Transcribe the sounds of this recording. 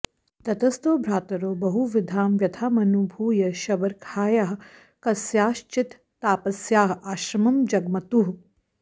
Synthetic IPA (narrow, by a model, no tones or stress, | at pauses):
t̪ɐt̪ɐst̪oːbʱɾaːt̪ɐɾoːbɐɦuʋid̪ʱaːmʋjɐd̪ʰʱaːmɐnubʱuːjɐʃɐbɐɾkʰaːjaːɦ | kɐsjaːʃt͡ʃit̪ːaːpɐsjaːɦaːʃɾɐmɐmd͡ʒɐɡmɐt̪uɦ